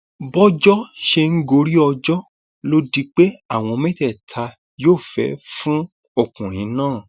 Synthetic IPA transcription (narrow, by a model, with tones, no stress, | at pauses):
bɔ˦d͡ʒɔ˦ʃe˧ŋ̩˦ɡo˧ɾi˦ɔ˧d͡ʒɔ˦ | lo˦di˦k͡pe˦a˦˨w̃ɔ̃˧mɛ̃˦tɛ˦˨tʰa˧ | joː˦˨fɛ̰˨˦fũ˦ | o˧˨kũ˨ɾ̃ĩ˨˦nãː˦˨